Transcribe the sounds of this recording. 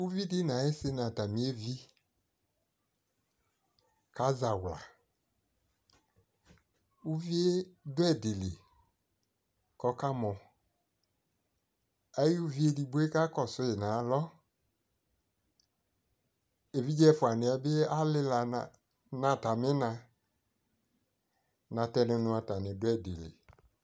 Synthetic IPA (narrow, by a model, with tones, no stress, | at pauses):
u˦vi˦dɪ˦nã˨e˦se˧nã˨ta˨mĩ˨˦e˦vi˦ | ka˨˦za˨wla̰˨ | u˦vi˦e˦dʊ˦ɛ˦˨de˨le˨ | kɔ˨˦ka˦mɔ̃˨ | a˦ji˦u˦vi˦e˦di˨bo˦e˦ka˦kɔ˨sʊ˦ɪ˨nã˨˦lɔ˦ | e˨vi˦d͡ʒɛ˦fʊ˨a˨nɪ˨ɛ˨˦bɪ˦a˦lɪ˦la˨ | nã˨ta˨mɪ˦nã˧ | nã˨tɛ˦nɪ̃˧˦nʊ̃˧˦a˨ta˨nɪ˨dʊ˦ɛ˦˨de˨lḛ˨